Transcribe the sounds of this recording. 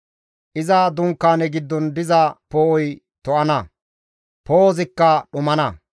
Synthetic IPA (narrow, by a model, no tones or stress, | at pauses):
ʔɪzad̪ʊŋkːaːnɛɡɪd̪ːɔnd̪ɪzɐpoːɔj | t̪ɔʔɐnɐ | poːzɪkːɐɗʊmɐnɐ